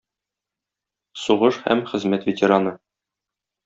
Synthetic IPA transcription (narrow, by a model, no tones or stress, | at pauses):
suʁɤʃhæ̰mχɘ̆zmæt̪vʲɪtʲeɾanɤ